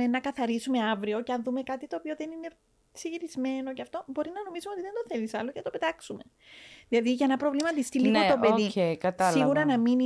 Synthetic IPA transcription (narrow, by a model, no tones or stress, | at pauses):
enɐkɐθɐɾisume̞ɐvɾio̞ceɐnðume̞kɐt̪it̪oːpio̞ðe̞nine̞ | siʝiɾizme̞no̞ceɐft̪o̞bo̞ɾinɐno̞misumeot̪iðed̪oθelisɐlocenɐt̪o̞pe̞t̪ɐksume̞ | ðilɐðiʝɐenɐpɾo̞vlimɐɐt̪ist̪iliɣot̪o̞peðiekɐt̪ɐsiɣuɾɐnɐmini